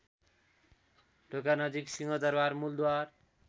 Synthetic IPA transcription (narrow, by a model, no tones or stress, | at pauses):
ɖʱokanʌd͡ʒiksiŋɔd̪ʌɾbaɾmuld̪uaɾ